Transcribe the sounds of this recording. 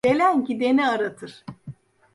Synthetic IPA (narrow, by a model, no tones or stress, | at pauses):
elʲæncid̪e̞niaɾat̪ʰɯɾ̥